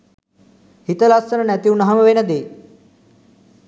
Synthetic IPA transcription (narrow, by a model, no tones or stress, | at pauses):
hit̪əlasənənæt̪iunɐɦɐmɐʋenəd̪eː